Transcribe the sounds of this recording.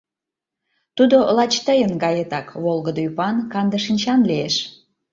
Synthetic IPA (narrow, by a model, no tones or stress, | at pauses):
t̪ud̪olɑt͡ɕt̪əjənɡɑjet̪ɑkβolɣəd̪oypɑnkɑnd̪əʃinʲt͡ɕɑnlieʃ